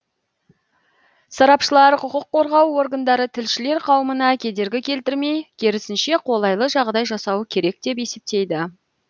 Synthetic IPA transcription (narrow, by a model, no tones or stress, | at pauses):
sɑɾɑpʃəlˠɑɾqʰʊqəqʰːo̞ɾʁɑwo̞rɡand̪ɑɾət̪ʰɪlʃɪle̞ɾqʰɑwəmənɑkʲʰe̞d̪e̞ɾɡʲɪkʲʰe̞lt̪ɪɾme̞jkʲʰe̞ɾɪsɪnʃe̞qʰo̞lˠɑjlˠəʒɑʁd̪ɑjʒɑsɑwəkʲʰe̞ɾe̞k̚d̪e̞pe̞se̞p̚t̪e̞jd̪ɪ